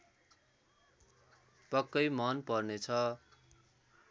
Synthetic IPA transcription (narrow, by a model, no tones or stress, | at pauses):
pʌkːʌjmʌnpʌrnet͡sʰʌ